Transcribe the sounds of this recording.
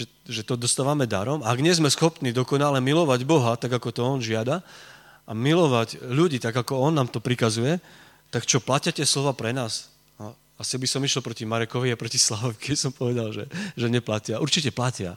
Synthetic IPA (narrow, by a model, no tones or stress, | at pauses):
ɛ | ʒɛt̪ɔd̪ɔst̪aːʋamɛd̪a̰ɾɔmaːɡɲɪɛzmɛsxɔpniːd̪ɔkɔnalɛmilɔʋaɟbɔɦat̪aɡakɔt̪ɔɔnʒɪad̪a | ʔamilɔʋaɟʎuɟiːt̪aɡakɔɔnːaːmt̪ɔpɾikazujɛ | t̪akt͡ʃɔplacɪat̪ɪɛslɔʋaːpɾɛnaːs | a | asiabisɔmiʃɛl̩pɾɔcimaɾɛkɔʋiapɾɔcislaʋɔʋikɛbisɔmpɔʋɛd̪alʒɛʒɛɲɛplacɪaʔuɾt͡ʃicɛplacɪa